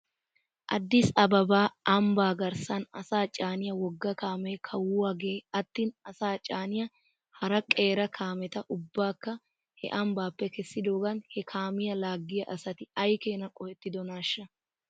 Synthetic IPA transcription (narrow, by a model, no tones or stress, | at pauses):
ʔɐ̰d̪ːɪsɐbɐbaːʔɐmbaːɡɐɾsɐnɐsaːt͡ʃʼaːnɪjɐwɔɡːɐkaːmeːkʰɐwʊwɐɡeːɐt̪ːiːnɐsaːt͡ʃʼaːnɪjɐ | hɐɾɐkʼe̞ːɾɐkʰaːmɛt̪ɐʔʊbːaːkːɐ | hɛ̰ʔɐmbaːpːɛkɛsːɪd̪oːɡɐnhɛkʰaːmɪjɐlaːɡːɪjɐʔɐsɐt̪ɪɐjke̞ːnɐkʼɔhɛt̪ːɪd̪ɔnaːʃːɐ